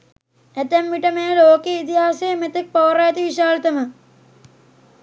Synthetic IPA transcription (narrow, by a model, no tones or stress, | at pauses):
ɐt̪ɐmːiʈɐmeːloːkeit̪iɦaːsemet̪ɐk̚poːɾaːt̪iʋiʃaːlɐt̪ɐmɐ